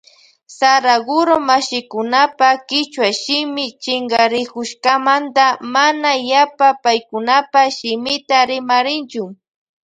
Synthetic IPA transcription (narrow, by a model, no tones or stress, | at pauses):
saɾaɡʊɾomaʃɪkʊnapakɪt͡ʃwaʃɪmɪt͡ʃɪŋɡaɾɪkʊʃkamant̪amanajapapajkʊnapaʃɪmɪt̪aɾɪmaɾɪnt͡ʃʊ